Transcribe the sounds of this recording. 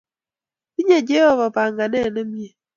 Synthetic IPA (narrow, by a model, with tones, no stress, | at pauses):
i˦ɲe˦˨d͡ʒe˦ɔ˦βa˨ba˨ŋɡa˨nɛ˦˨nə˦mi˦e˨